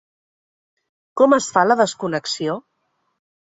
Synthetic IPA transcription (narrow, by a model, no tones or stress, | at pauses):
kɔməsfaləðəskunəksio